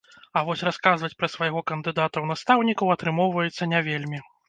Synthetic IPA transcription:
ɐvɔsʲraskazvɐt͡sʲpɾɐsvɐjɣɔkɐnd̪ɨd̪at̪ɐwnast̪awnʲikɐwɐt̪ɾɨmɔwvɐjɛt̪sːɐnʲavʲelʲmʲi

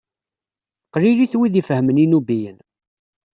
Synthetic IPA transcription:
qɾiliθwiðifəhəməninubijən

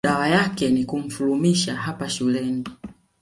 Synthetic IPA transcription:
awajakɛnikum̩fulumiʃaɦapaʃulɛni

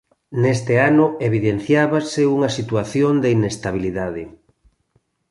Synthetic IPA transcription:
nest̪eanʊeβ̞iðenθjaβaseuŋɐsit̪uaθjond̪einest̪aβ̞iliðaðe

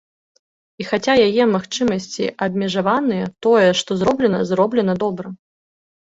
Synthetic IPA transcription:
ixat͡sʲajajɛmaxt͡ʂɨmɐsʲt͡sʲḭʔɐbʲmʲɛʐavanɨjɛt̪ɔjɛʂt̪ɔzɾɔblʲɛnɐ̰zrɔblʲɛn̪ɐd̪ɔbɾɐ

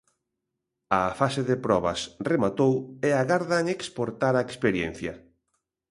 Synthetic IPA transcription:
ɐfaseðepɾɔβɐsremat̪oweaɣaɾðaŋekspoɾt̪aɾaekspeɾjen̟θjɐ

